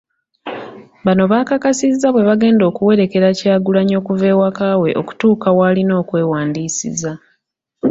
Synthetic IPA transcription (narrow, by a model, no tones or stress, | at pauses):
βano̞βaːkakasizːaβwe̞βaɡe̞ːndo̞ːkuwe̞ɾe̞ke̞ɾacaːɡulaɲo̞ːkuve̞ːwakaːwe̞ʔo̞̰ku̥tuːkawalino̞ːkwe̞ːwaːndiːsḭza